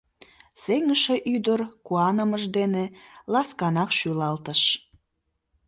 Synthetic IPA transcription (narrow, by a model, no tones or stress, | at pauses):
seŋəʃeʔyd̪ərkuɑnəməʒd̪enelɑskɑnɑkʃylɑlt̪əʃ